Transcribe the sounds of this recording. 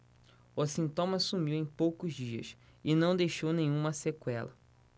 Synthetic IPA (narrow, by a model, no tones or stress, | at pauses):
ʊsĩnt̪õmɐsumiwẽj̃powkʊziɐ̰s | ɪnɐ̃w̃d̪ejʃownẽj̃ũmɐsekwɛlɐ̰